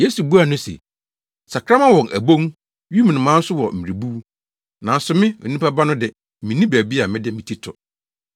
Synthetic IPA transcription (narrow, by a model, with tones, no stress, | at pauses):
je˦su˨bu˦a˨nʊ̃˦sḛ˨ | sa˨kʰɾa˦mã˦wɔ̃˨nʔæ̰˨bõ˦ŋ | ɥi˦m̃˨nʊ̃˨mã˦n̩˦sʊ˦wɔ˨m̩˨mi˨e˨bu˦ | nã˨n̩˦sʊ˦mɪ̃˦o̰˨nĩ˦pa˦ba˦nʊ̃˦dɪ˨ | mĩ˨nĩ˦bæ˨bi˦a˨mɪ̃˦dɪ˦mɪ̃˨tʰi˦tʰɔ˨